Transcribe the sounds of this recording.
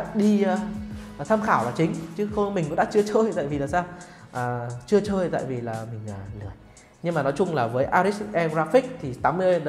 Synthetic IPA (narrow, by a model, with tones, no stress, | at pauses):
ɗi˧˨˩t̪ʰaː˧mxaː˧˩wvaː˨˩t͡ɕï˨˦ŋ̟t͡ɕɨ˨˦xmï˨˩ŋkɗaː˧˥t͡ɕɨ˧ət͡ɕəː˧jt̪a̰ː˧˨jvi˨˩laː˨˩saː˧w | ʔaː˨˩t͡ɕɨ˧ət͡ɕəː˧jt̪a̰ː˧˨jvi˨˩laː˨˩mï˨˩ŋ̟ʔaː˨˩lɨ˧˩əj | ɲɨ˧ŋmaː˨˩nɔ˨˦jt͡ɕʊ˧ŋ͡mlaː˨˩vəː˨˦jʔaː˧ɾi˦˥sʔɛ˧zaː˧fi˦˥k̚t̪ʰi˨˩t̪aː˨˦mɨ˧